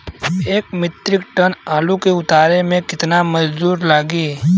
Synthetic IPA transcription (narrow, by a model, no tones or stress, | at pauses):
eːkmɪt̪ɾɪk̚ʈənaːlukeʊt̪aːɾemẽkɪt̪namɐd͡ʒd̪uːɾlaːɡiː